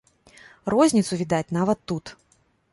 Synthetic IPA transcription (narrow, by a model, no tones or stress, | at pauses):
rɔzʲnʲit̪sʊvʲid̪at͡sʲnavɐt̪ːut̪